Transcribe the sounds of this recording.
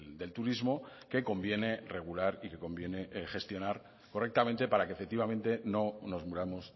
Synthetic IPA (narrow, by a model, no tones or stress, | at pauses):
d̪e̞lt̪uɾizmo̞ke̞ko̞mbje̞ne̞re̞ɣ̞ulaɾike̞ko̞mbje̞ne̞χe̞st̪jo̞naɾ | ko̞re̞k̚t̪ament̪e̞paɾakefe̞k̚t̪iβ̞amẽ̞nt̪e̞no̞no̞zmuɾamo̞s